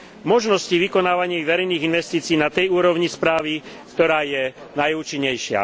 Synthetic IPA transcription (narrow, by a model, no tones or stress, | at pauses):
mɔʒnɔsciʋikɔnaːʋaɲɪiʋɛɾɛjniːɣinʋɛst̪iːt͡siːnat̪ɛjuːɾɔʋɲispɾaːʋi | kt̪ɔɾaːjɛnajuːt͡ʃiɲːɛjʃɪa̰